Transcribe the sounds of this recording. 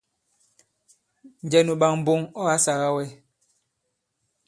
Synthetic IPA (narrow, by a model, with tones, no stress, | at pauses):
n̩˨d͡ʒɛ˨nu˨ɓa˨ŋm̩˨bo˦ŋɔ˦a˦sa˨ɣa˦wɛ˦